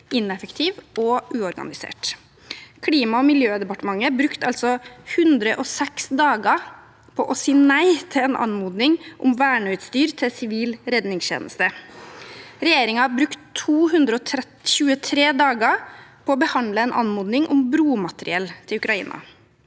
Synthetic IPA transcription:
ɪnɛfəkt̪ʰiːʋɔʉːɔɾɡɑ̰nɪsḛːʈ | kʰɽiːmɑɔmɪljøːd̪ɛpɑʈəmɑŋːəbɾʉkt̪ɑlsɔhʉnd̪ɾəʔɔsɛksd̪ɑːɡə | pʰɔ̰ʔɔsiːnæɪt̪ʰɪlɛnʔɑ̰nmuːd̪nɪŋʔʊmʋæːɳœʏt̪st̪yːɾt̪ʰɪsɪʋiːlɾɛd̪nɪŋsçḛːnə̰st̪ə | ɾɛjeːɾɪŋɑɑbɾʉkt̪ʰːuːɦʉnd̪ɾəɔt̪ʰɾɛ | ɕʉːət̪ʰɾeːd̪ɑːɡəpʰɔɔbəhɑnd̪ləɛnʔɑ̰nmuːd̪nɪŋʔʊmbɾuːmɑt̪əɾɪ̰ɛlt̪ʰɪlʉkɾɑḭːnʔɑ̰

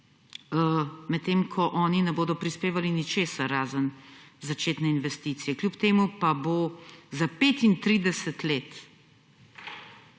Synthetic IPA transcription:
mɛt̪ːeːmkʰɔʔɔːninɛboːd̪ɔpɾispeːʋalinit͡ʃeːsaɾaːzənzat͡ʃeːt̪nɛinʋɛst̪it̪sijɛkljupt̪eːmupabozapeːt̪int̪ɾid̪ɛsɛt̪leːt̪

